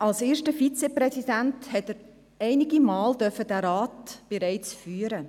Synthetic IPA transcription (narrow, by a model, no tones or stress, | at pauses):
ɑlseːʃtəfit͡sɛprɛsidænthɛtəɾ | ɛɪniɡimaːldœfədæɾaːtb̥eɾaɪt͡sfyːəɾə